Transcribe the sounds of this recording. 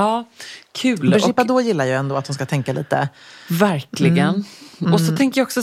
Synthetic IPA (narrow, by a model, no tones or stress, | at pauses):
ɑːkʰʉ̟ːlʂɔɪpːad̪oːjɪlːaɾjɑɛnd̪oːat̪hʊnskat̪ʰɛŋkalḭːt̪ə̰væɾkʰlɪɡənɔsɔt̪ʰɛŋkəjaɔksɔ